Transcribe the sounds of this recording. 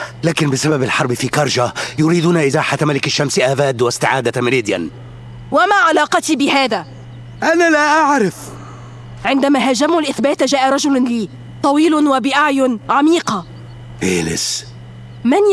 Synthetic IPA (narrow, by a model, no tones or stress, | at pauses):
laːkɪnbɪsababalħɑɾˤbɪfiːkɑɾˤʒajʊɾiːd̪uːnaʔɪzaːħat̪malɪkaʃːamsʔaːbaːd̪wast̪ɪʕaːd̪amɪliːd̪ja̰n | wamaːʕalɑːqɑt̪iːbɪhaːðaː | ʔanalaʔaʕɾɪf | ʕɪnd̪amaːɦad͡ʒamʊlʔɪθbaːt̪d͡ʒaːʔaɾˤɑd͡ʒʊlliː | t̪ˤɑwiːlwabɪʔaʕjʊnʕamiːqɑ | fḛːlɪ̰s | man